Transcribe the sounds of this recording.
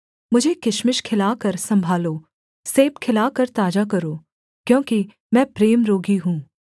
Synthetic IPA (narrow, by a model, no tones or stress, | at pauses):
mʊd͡ʒʱekɪʃmɪʃkʰɪlaːkɐɾsɐ̃mbʱaːloː | seːpkʰɪlaːkɐɾt̪aːd͡ʒakɐɾoː | kjõːki | mɛ̃ːpɾeːmɾoːɡiɦũː